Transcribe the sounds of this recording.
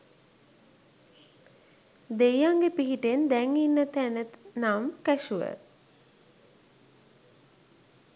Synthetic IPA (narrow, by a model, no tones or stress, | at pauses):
d̪ejaŋɡepiɦiʈend̪ɛŋinːət̪ænət̪namkæʃuʋə̰